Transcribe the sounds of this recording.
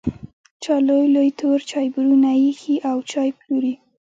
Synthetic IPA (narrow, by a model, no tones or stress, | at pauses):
t͡ʃɑlojlojt̪oɾt͡ʃɑjbɾunajixiʔawt͡ʃɑjpluɾi